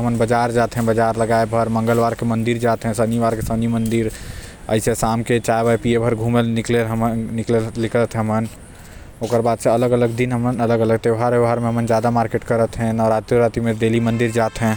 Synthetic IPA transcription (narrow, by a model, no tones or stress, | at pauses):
ɦəmənbəd͡ʒaːɾd͡ʒaːt̪ɦɛ̃bəd͡ʒaːɾləɡaːebʱəɾmɐ̃ŋɡəlʋaːɾkemə̃nd̪iɾd͡ʒaːt̪ɦɛ̃səniʋaːɾkesənimə̃nd̪ɪɾ | ə̰ɪsesaːmket͡ʃaebaepiebʱəɾɡʱũːmenɪkleɦmnɪklelɪklət̪ʰɦɛ̃ɦmən | oːkəɾbaːd̪seələɡələɡd̪inɦəmənələɡələɡt̪eʋɦaɾʋeʋʱaːɾmẽɦəmənd͡ʒjaːd̪amaːɾkeʈkəɾət̪ɦɛ̃nɔːɾaːt̪ɾjiɾaːt̪imẽd̪eːlimə̃nd̪iɾd͡ʒaːt̪ɦɛ̃